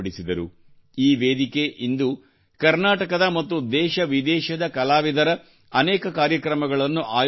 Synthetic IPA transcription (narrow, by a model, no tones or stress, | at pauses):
ɽisid̪ɐɾṵ | iːʋeːd̪ikeʔind̪u | kɐɾnaːʈɐkɐd̪ɐmɐt̪ːud̪ɛːʃɐʋid̪ɛːʃɐd̪ɐkɐlaːʋid̪ɐɾɐ | ɐnɛːkɐkaːɾjɐkɾɐmɐɡɐɭɐnːuʔaːj